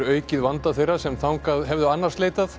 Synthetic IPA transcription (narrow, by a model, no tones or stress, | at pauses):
œːɥcɪðvant̪aθejrːasɛmθawŋkaðɦɛvðʏanːarstleːjt̪aθ